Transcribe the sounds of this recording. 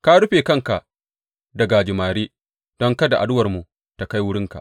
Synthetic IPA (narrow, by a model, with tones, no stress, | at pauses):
ka˦ɽʊ˦ɸeː˨kɐ˦˨ŋka˨ | dɐ˨ɡa˨d͡ʒɪ˨maː˨ɾiː˦ | d̥ɔ˦ŋka˦da˨ʔa˨dʊ˦wɐ˨rmu˨ | ta˨ka˦jwʊ˦ɽɪ˦ŋka̰˨ʔ